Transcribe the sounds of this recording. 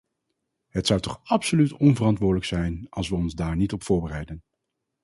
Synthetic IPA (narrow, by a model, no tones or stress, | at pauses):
ɦətsʌwtɔχɑpsolytɔnvərɑntʋʊːɹdələksɛjnɑlˠsʋəɔnzdaːɹnitɔpfʊːɹbərɛjdən